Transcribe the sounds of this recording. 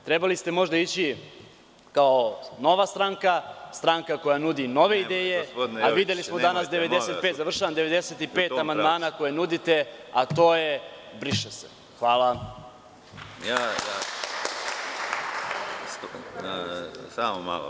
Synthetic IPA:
t̪ɾe̞balist̪e̞mo̞ʒd̪ait͡ɕi | kaono̞ʋast̪ɾaŋkast̪ɾaŋkako̞janud̪ino̞ʋe̞id̪e̞ːjepod̪aʋid̪jelismod̪anasd̪eʋe̞d̪eset̪pet̪zaʋr̩ʃaʋamd̪eʋe̞d̪eset̪ippe̞ːt̪amand̪maːnako̞jenud̪it̪e̞at̪o̞ːjebɾiʃesḛ | xʋaːla | jaja | saːmoma̰l̰

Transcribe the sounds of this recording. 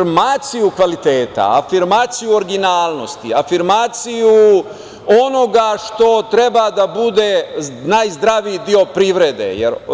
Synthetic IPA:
maːt̪sijukʋalit̪eːt̪a̰afiɾmaːt̪sijuo̞ɾiɡinaːlˠno̞st̪ḭafiɾmaːt̪siju | o̞no̞ɡaʃt̪o̞t̪ɾe̞bad̪abud̪e̞naːjzd̪ɾaʋid̪io̞pɾiʋɾed̪ḛjḛɾ

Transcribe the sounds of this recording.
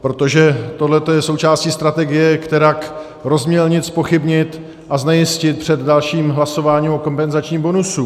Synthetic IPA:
pɾo̞t̪o̞ʒɛt̪o̞dlɛt̪o̞jɛso̞wt͡ʃaːsciːst̪ɾat̪ɛɡɪjɛkt̪ɛɾak | ɾo̞zmɲɛlɲɪt͡spo̞xɪbɲɪt̪ | ʔaznɛjɪscɪt̪̚pr̝̥ɛdːalʃiːmɦlaso̞vaːɲiːmʔoko̞mpɛnzat͡ʃɲiːmbo̞nusu

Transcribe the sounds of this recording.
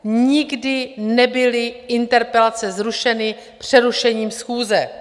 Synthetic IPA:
ɲɪɡdɪnɛbɪlɪʔɪnt̪ɛɾpɛlat͡sɛzɾuʃɛnɪ | pr̝̥ɛɾuʃɛɲiːmsxuːzɛ

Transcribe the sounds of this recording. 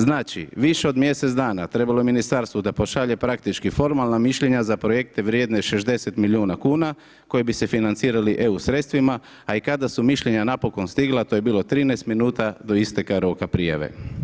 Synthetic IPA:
znaːt͡ʃḭʋiʃe̞o̞d̪mje̞set̪zd̪aːnat̪ɾe̞balo̞jeminist̪aɾst̪ʋod̪apo̞ʃaʎe̞pɾak̚t̪it͡ʃkifo̞ɾmalˠnamiʃʎe̞ɲazapɾo̞je̞k̚t̪e̞ʋɾjed̪neʃe̞ʒd̪e̞se̞t̪milʲiuːnakuːna | ko̞jebise̞finant̪siːɾaliʔe̞usɾe̞t̪st̪ʋima | aikad̪asumiʃʎe̞ɲanapo̞ko̞nst̪iɡlˠat̪oje̞biːlo̞t̪ɾiːnajst̪minuːt̪ad̪o̞ist̪e̞kaɾo̞kapɾija̰ʋḛ

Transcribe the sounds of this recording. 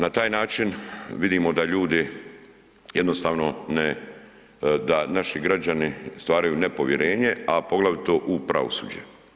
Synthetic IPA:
nat̪aːjnaːt͡ʃinʋid̪iːmo̞d̪aʎuːd̪i | jed̪no̞st̪aːʋno̞ne | d̪anaʃiɡɾad͡ʑanist̪ʋaːɾajunepo̞ʋjeɾe̞ːɲe̞apo̞ɡlˠaʋit̪oʔupɾa̰ʋo̰sṵːd͡ʑḛ

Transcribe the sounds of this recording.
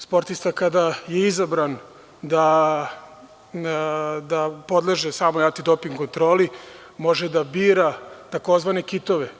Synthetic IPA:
spo̞ɾt̪ist̪akad̪ajeizabɾan | d̪a | d̪apo̞d̪leʒesamojat̪id̪o̞piŋɡko̞nt̪ɾo̞ːli | mo̞ʒed̪abiːɾat̪ako̞zʋane̞kit̪o̞ʋe

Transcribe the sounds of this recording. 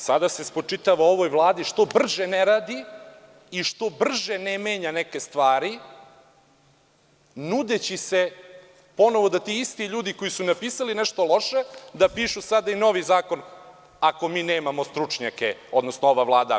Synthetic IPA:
sad̪asespot͡ʂit̪aʋao̞ʋo̞jvlˠaːd̪iʃt̪o̞br̩ʒeneɾaːd̪i | iʃt̪o̞br̩ʒenemeːɲaneke̞st̪ʋaːɾi | nud̪e̞t͡ɕise̞ | po̞no̞ʋo̞d̪at̪iist̪iʎuːd̪ikojisunapiːsalineʃt̪o̞lˠo̞ʃed̪apiːʃusad̪aino̞ʋizaːko̞n | ako̞miːneːmamost̪ɾut͡ʂɲakeo̞d̪no̞snoo̞ʋavlˠaːd̪a̰

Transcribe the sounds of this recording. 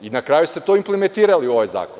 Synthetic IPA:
inakɾaːjust̪et̪o̞implement̪iːɾaliuo̞ʋajza̰ːko

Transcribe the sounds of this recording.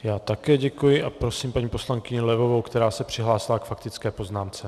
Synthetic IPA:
jaːt̪akɛːɟɛkujɪʔapɾo̞siːmpaɲiːpo̞slaŋkɪɲɛlɛvo̞vowkt̪ɛɾaːsɛpr̥ɪɦlaːsɪlakfak̚t̪ɪt͡skɛːpo̞znaːmt͡sɛ

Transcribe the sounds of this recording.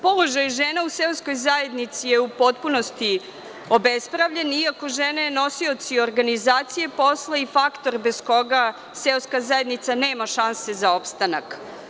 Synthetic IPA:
po̞lˠo̞ʒajʒeːnauselsko̞jzaje̞d̪nit̪sije̞upo̞t̪punost̪i | obespɾaʋʎeniako̞ʒeːnaeno̞sio̞t̪sioɾɡanizaːt̪sije̞posleifakt̪o̞ɾbe̞sko̞ɡa | selskazaje̞d̪nit̪saneːmaʃanse̞zao̞pst̪ana̰k

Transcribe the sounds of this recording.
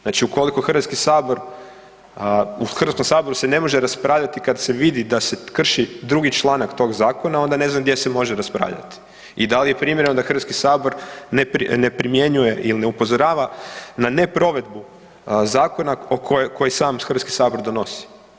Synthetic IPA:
znat͡ʃiuko̞liko̞xr̩ʋat̪skisaːbo̞ɾ | uxr̩ʋat̪komsaːbo̞ɾusene̞mo̞ʒeɾaspɾaːʋʎat̪ikad̪se̞ʋid̪id̪ase̞kr̩ʃid̪ɾuɡit͡ʃlˠaːnakt̪o̞ɡzaːko̞nao̞nd̪ane̞znamɡd̪jesemo̞ʒeɾaspɾa̰ːʋʎa̰t̪i̥ | id̪alije̞pɾiːmjeɾenod̪axr̩ʋat̪kisaːbo̞ɾnepɾine̞pɾimje̞ɲuje̞ʔilineupo̞zoɾaːʋanane̞pɾo̞ʋe̞d̪bu | zaːko̞naokʰokʰo̞jisaːmxɾr̩ʋat̪ski̥saːbo̞ɾd̪o̞no̞si̥

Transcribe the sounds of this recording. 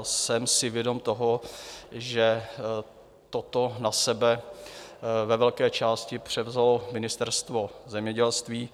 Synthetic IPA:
sɛmsɪvjɛdo̞mt̪o̞ɦo | ʒɛ | t̪ot̪onasɛbɛ | vɛvɛlkɛːt͡ʃaːscɪpr̝̥ɛvzalo̞mɪnɪst̪ɛɾst̪vo̞zɛmɲɛɟɛlst̪viː

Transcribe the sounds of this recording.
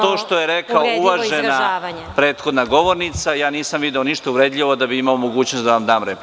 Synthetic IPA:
t̪oːʃt̪o̞jeɾekaouʋaʒena | pɾe̞ːt̪xo̞d̪naɡo̞ʋo̞ɾnit̪sajaːniːsamʋid̪eoniʃt̪ouʋɾeːd̪ʎʲiʋod̪abiimaomoɡuːt͡ɕnost̪d̪aʋamd̪aːmɾep

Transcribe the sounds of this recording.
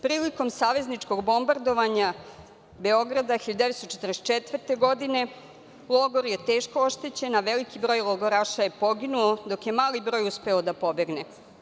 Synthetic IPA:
pɾiːliko̞msaːʋe̞znit͡ʂko̞ɡbo̞mbaɾd̪o̞ʋaɲa | be̞o̞ɡɾad̪axiʎad̪eʋest̪ot͡ʃet̪ɾest͡ʃet̪ʋərt̪e̞ɡo̞d̪ine̞ | lˠoɡoɾje̞t̪e̞ːʃkooʃt̪et͡ɕe̞naʋelikibɾo̞ːjlˠoɡoɾaʃajepo̞ɡinuod̪o̞kje̞maːlibɾo̞ːjuspe̞od̪apo̞be̞ɡne

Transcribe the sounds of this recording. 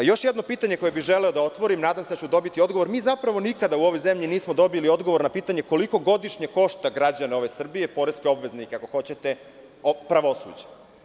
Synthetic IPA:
jo̞ʃjed̪no̞piːt̪aɲe̞ko̞jebiʒele̞od̪ao̞t̪ʋo̞ɾimnaːd̪amsed̪at͡ɕud̪o̞bit̪io̞d̪ɡo̞ʋo̞ɾmiːzapɾaʋo̞nikad̪auo̞ʋojzemʎiniːsmod̪o̞bilio̞d̪ɡo̞ʋo̞ɾnapiːt̪aɲe̞ko̞liko̞ɡo̞d̪iʃɲeko̞ʃt̪aɡɾad͡ʑaneo̞ʋe̞sr̩bijepo̞ɾeskeo̞bʋe̞znikeako̞xo̞t͡ɕe̞t̪e̞ | opɾaʋo̞sṵːd͡ʑe̥

